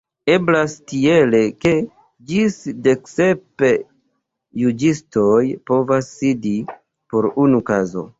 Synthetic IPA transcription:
e̞blastie̞le̞ke̞ | d͡ʒisde̞kse̞pe | jud͡ʒisto̞jpo̞vasːidi | po̞ɾunukazo̞̰

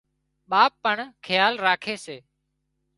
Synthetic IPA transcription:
ɓaːpːəɳkʰəjaːlɾaːkʰeːseː

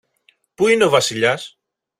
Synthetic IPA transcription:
puineo̞vɐsiʎɐs

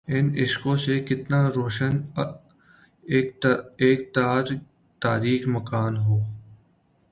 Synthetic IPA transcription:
ɪnɪʃkõsekɪt̪naɾoːʃən | keːk̚t̪aːɾ | t̪aːɾiːxmɐkaːnɦoː

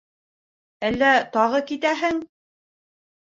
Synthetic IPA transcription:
ælːæt̪ɑʁɤkit̪æɦɘŋ

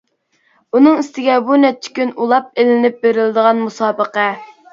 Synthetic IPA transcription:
unɨŋist̪ɪɡʲɛbunɛp̚t͡ʃʰːɪ̥kʲynulˠɑp̚elɪnɪp̚beɾɪlɪd̪əʁɑnmusɑːbəqɛ

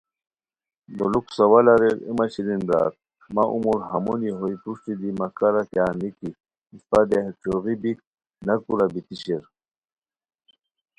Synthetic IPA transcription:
d̪oluksɐwalaɾeɾḭmaɕiɾinbɾa̰ːt̪̚ | maʔṵmuɾɦamuniɦojpɾuʂʈ̪id̪imakaɾakjaːniki | ispad̪eht͡ɕoʁibik̚ | nakuɾabit̪iɕeɾ

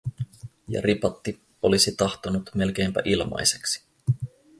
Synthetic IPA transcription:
jɑ̰ɾipɑt̪ːi | o̞lisit̪ɑxt̪onut̪me̞lk̟e̞ːmpæ̰ʔilmɑ̰jseksi̥

